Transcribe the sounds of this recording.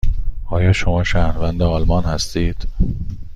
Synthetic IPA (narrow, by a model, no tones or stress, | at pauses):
ʔɒːjɒːʃo̞mɒːʃæːhɾvænd̪eɒːlmɒnhæst̪iːd̪̥